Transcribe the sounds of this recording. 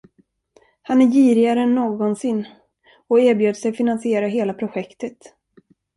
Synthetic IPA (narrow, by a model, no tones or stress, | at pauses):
hanæɾjiːɾɪaɾəɛnːoːɡɔnsɪnː | ɔeːɾbjøːd̪sɛjfɪnansɪeːɾaɦeːlapʰɾʊɧɛkt̪ət̪